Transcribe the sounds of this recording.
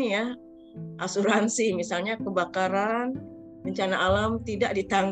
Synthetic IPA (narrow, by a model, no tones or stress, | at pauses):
ija | ʔasuɾansimisalɲakəbakaɾan | bəɲt͡ʃanaʔːlamt̪idaʔdit̪aŋ